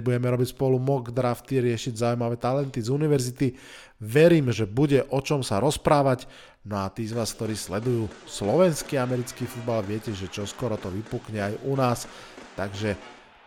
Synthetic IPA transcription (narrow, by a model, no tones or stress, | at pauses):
buɟɛmɛɾɔbicspɔlumɔɡd̪ɾaft̪iɾɪɛʃiɟzaujmaʋɛːt̪alɛnt̪izuniʋɛɾzit̪i | ʋɛɾiːmʒɛbuɟɛʔɔt͡ʃɔmsaɾɔspɾaːʋac | nɔat̪iːzʋaːsk̚t̪ɔɾiːslɛd̪ujuːslɔʋɛnskiːamɛɾit͡skiːfud̪balʋɪɛcɛʒɛt͡ʃɔskɔɾɔt̪ɔʋipukɲɛajunaːst̪aɡʒɛ